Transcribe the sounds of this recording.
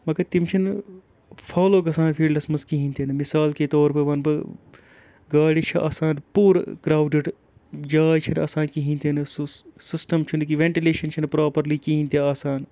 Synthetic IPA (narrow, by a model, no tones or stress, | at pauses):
mɐɡɐt̪imt͡ʃʰin | pʰaːloːɡɐsaːnpʰiːɖlɐsmɐzkiɦĩnʲt̪enɨmisaːlkeːt̪oːɾpɐʋɐnpɐ | ɡaːɽit͡ʃʰiʔa̰ːsaːnpuːɾkɾaːwɖiɖ | d͡ʒaːjt͡ʃʰinɐ̰ːsaːnkiɦĩnʲt̪enɨssɪsʈɐmt͡ʃʰunkiʋeɳʈileːʃɐnt͡ʃʰinpɾaːpɐɾliːkiɦĩnʲt̪ʲiaːsaːn